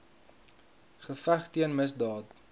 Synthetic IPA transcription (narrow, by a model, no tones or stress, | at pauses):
χəfæχtiənməsdɑːt̚